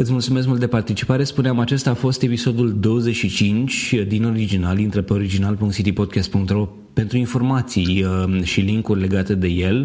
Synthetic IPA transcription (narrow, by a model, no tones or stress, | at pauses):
ɨt̪sʲmult̪sumes̬mult̪d̪epart̪it͡ʃipaɾe̞spuneamat͡ʃest̪aːfo̞st̪e̞piso̞d̪uld̪o̞wəzeʃit͡ʃint͡ʃʲd̪ino̞ɾid͡ʒinalint̪ɾepeo̞ɾid͡ʒinalpuŋkt̪sit̪ipo̞d̪̚kʲast̪̚puŋk̚t̪ɾro̞ | pe̞nt̪ɾuinfo̞rmat̪sijʃiliŋkurʲle̞ɡat̪e̞d̪e̞je̞l